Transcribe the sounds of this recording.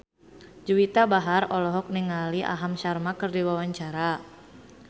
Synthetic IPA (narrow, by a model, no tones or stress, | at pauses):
d͡ʒuwit̪abaɦarɔlɔɦɔk̚niŋaliʔa̰ɦamʃarmakɨrdiwawaɲt͡ʃaɾa